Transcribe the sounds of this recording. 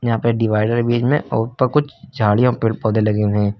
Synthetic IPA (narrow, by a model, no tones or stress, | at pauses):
jɐɦãːpɐɖɪʋaːɪɖəɾbiːd͡ʒmẽʔɔːɾpɐɾkʊt͡ʃʰd͡ʒʱaːɽijõpɪpɔːd̪elɐɡẽt̪ʰẽː